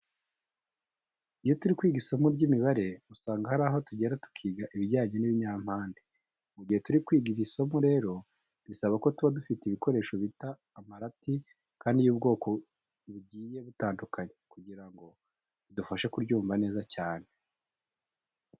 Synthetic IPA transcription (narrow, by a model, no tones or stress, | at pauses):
ijo̞tuɾikwiːɡisamuɾɟimiβaɾe̞musaːŋɡahaɾaːɦo̞tuɟe̞ɾatu̥kʰiːɡaʔiβiɟaːɲe̞niβiɲaːm̥haːnde | muɟihe̞tuɾikwiːɡiɾisomuɾe̞ːɾo̞ | βisaβako̞tuβadufiteiβiko̞ɾe̞ːʃo̞βitaːmaɾati | kaːndijuːb̚ɡo̞ːkʰo̞ | βuɟiːje̞βutaːndukʰaɲe̞kuɟiɾaŋɡo̞ | βidufaʃekuɾɟuːmvane̞ːzacaːn̥e̞